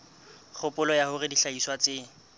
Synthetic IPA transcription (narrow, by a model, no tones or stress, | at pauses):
k͡xʰʊpʼʊlɔjahʊrɪdiɬaiswat͡sɪː